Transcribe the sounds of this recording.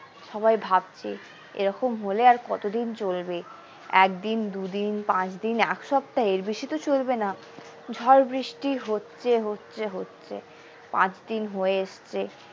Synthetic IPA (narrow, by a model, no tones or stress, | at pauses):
ʃɔβajbʱab̚t͡ɕʰe | ḛɾɔkomɦoleaɾkɔt̪od̪int͡ɕolbe | ɛk̚d̪ind̪ud̪inpãt͡ɕd̪inɛkʃɔb̚ʈaeɾbiʃit̪ot͡ɕolbena | d͡ʑʱɔɾbɾiʃʈiɦotːɕʰeɦotːɕʰeɦotːɕʰḛ | pã̰t͡ɕd̪inɦoeeʃt͡ɕʰe